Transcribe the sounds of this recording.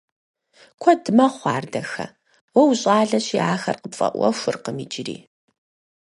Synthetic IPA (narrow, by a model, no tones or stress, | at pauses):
kʷʰɔdɨmɐχʷɑ̰ːrdɐxɐ̰ | wɐwɕʼɑːɮɐɕiːaːxɐrqəpfʼɐ̰ʔʷɐ̰ʃʷʊrqəmiːd͡ʒɪɾḭː